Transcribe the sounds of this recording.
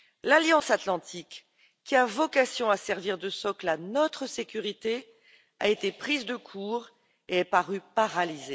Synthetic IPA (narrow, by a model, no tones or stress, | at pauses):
laljɑ̃sat̪lɑ̃t̪ʰikː | iavɔkasjɔ̃asɛʁviʁd̪əsɔklanɔt̪χəsekʲyʁit̪e | a̰et̪epχizd̪əkʰuːʁ | eɛpaʁypaʁalize